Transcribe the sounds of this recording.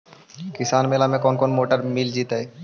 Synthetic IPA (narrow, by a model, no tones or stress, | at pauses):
kisanmelamekɔnkonmoʈaɾmild͡ʑit̪aj